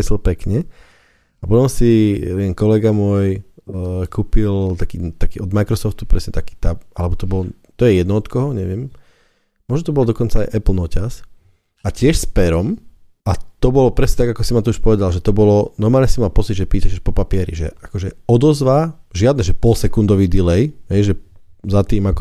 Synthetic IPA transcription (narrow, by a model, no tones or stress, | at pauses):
ɛsl̩pɛkɲɛ | apɔt̪ɔmsiɛnkɔlɛɡamʊɔj | kʰuːpilt̪akiːt̪akiːɔd̪majkɾɔsɔft̪u̥pɾɛsɲɛt̪aki̥ːt̪aalɛbɔt̪ɔbɔlɔ | t̪ɔjɛjɛd̪nɔɔt̪kɔɦɔɲɛʋɪɛm | mʊɔʒnɔt̪ɔbɔld̪ɔkɔnt͡saːjʔɛplnɔcas | acɪɛʃspɛɾɔm | at̪ɔbɔlɔpɾɛsɲɛt̪aɡakɔsimat̪ɔuʃpɔʋɛd̪alʒɛt̪ɔbɔlɔnɔɾmaːlɲɛsimalpɔt͡sid̪ʒɛpiːt̪aʃɛʃpɔpapɪɛɾḭʒɛ̰ʔakɔʒɛɔd̪ɔzʋaʒɪad̪nɛʒɛpɔlsɛkund̪ɔʋiːd̪ilɛjɦɛjʒɛzat̪iːmakɔ